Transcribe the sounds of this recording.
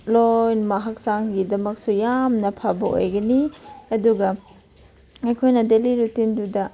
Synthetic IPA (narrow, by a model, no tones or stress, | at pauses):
lojnmɐɦɐk̚saŋɡidɐmɐk̚sujamnɐpʰabɐo̰jɡɐniɐduɡɐ | ɐjkʰojnɐdeliɾutindudɐ